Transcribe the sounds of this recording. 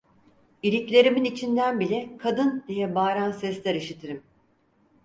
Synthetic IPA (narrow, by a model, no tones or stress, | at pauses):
iɾiclʲe̞ɾiminit͡ʃʰind̪ænbilʲɛkʰad̪ɯnd̪ijɛbaːɾansɛslʲæɾiʃit̪ʰeɾim